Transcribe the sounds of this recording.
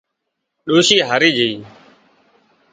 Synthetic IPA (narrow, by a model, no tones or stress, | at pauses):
ɗoːʃiːɦaɾiːd͡ʒəiː